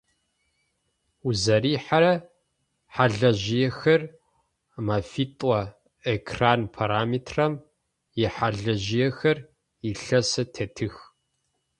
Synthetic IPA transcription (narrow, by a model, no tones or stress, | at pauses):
uzɐɾiːħaɾɐ | ħaɮɐʑɪjɛxɐr | mɐfitʼɐ | ekʰraːnpʰaɾaːmiːtʰrɐm | jɛħaɮɐʑɪjɛxɐr | iɬɐsɐtʰɐtʰɨx